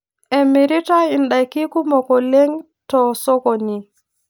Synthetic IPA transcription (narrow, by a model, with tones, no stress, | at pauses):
e˨mi˨ɾi˦ta˦i˨nɗa˨jki˦ku˦mɔ˨kɔ˨le˦ŋ | tɔ˨so˦ko˨ni˨